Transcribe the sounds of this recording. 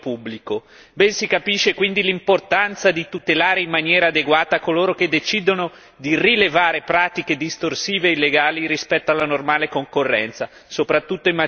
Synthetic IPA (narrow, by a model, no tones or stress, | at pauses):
pubːliko | bɛnsikapiʃːekwind̪ilimport̪ant̪sad̪it̪ut̪elaːɾeimːanjɛːɾaːd̪eɡwaːt̪akoloːɾok̟ed̪ːet͡ʃid̪ono | d̪irilevaːɾepɾaːt̪iked̪ist̪orsiːveilːeɡaːliɾispɛt̪ːoalːanormaːlekoŋkorːɛ̰nt̪sa | sopɾat̪ːut̪ːoimːa